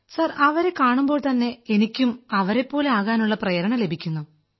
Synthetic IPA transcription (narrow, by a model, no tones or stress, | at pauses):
sɐrɐʋɐɾe̞kaːɳumbo̞ːɭt̪ɐnːe̞enikʲːumɐʋɐɾe̞pːo̞ːle̞aːɣaːnuɭːɐprɐjɐɾɐɳɐle̞bʱikʲːunːu